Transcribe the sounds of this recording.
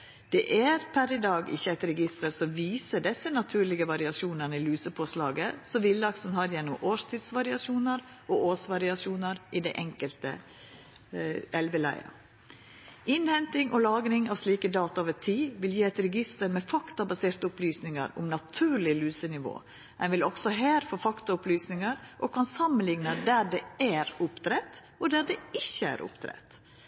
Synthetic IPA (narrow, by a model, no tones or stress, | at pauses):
d̪̥ɛʔæɾpʰæɾɪd̪ɑːɡɪ̰çːəæɪt̪ɾɛɡɪst̪əɾsɔʋiːsəɖɛsːənɑt̪ʰʉːɭɪɡəʋɑɾɪɑʃuːnənəɪlyːsəpʰoːslɑːɡəsɔʋɪld̪ɑksənhɑɾjɛnːʊmʔoːʂt̪ʰɪd̪sʋɑɾɪɑʃuːnɑɾ | ʔoːʔoːsʋɑɾɪɑʃuːnɑɾʔɪd̪ɛʔɛŋkəlt̪ə̰ | ɛlʋəlæ̰ɪɑ̰ | ɪnhɛnt̪ɪŋʔɔlɑːɡɾɪŋɑʋsliːkəd̪ɑːt̪ɑoːʋət̪ʰiːʋɪljiːɛt̪ɾɛɡɪst̪əɾmɛfɑkt̪ɑbɑseːɾt̪əʊplyːsnɪŋə̰ɾʊ̰mnɑt̪ʰʉːɾɭɪlyːsənɪʋo̰ː | ɛnʋɪlɔksɔɦeːɾfoːfɑkt̪ɑʊplyːsnɪŋəɾʔɔkʰɑnsɑmːənlɪŋnəd̪æɖɛæɾʊpt̪ʰɾɛt̪ | ɔd̪æɖɛɪçːəæ̰ɾʔʊ̰pt̪ʰɾɛ̰t̪